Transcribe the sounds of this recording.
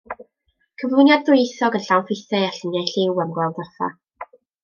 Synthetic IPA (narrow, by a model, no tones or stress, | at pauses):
kʰəvlˠʊjnjadðʊjeθɔɡənɬawnfɪθɛaɬɪnjajɬɪwamɡwɛlˠdərθa̰